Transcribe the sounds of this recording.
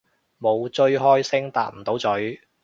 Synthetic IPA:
mo˨˧wt͡ʃɵ˧ɥɦɔː˥jsɪ˥ŋt̪a̰ː˧t̚m̩˨˩t̪o˨˥wt͡sɵ˨˥ɥ

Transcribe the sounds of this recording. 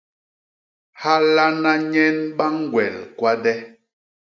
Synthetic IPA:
ha˦la˦na˦ɲɛ˦nɓa˦ŋ˦˨ɡwɛ̰˨lkwa˦dɛ˦

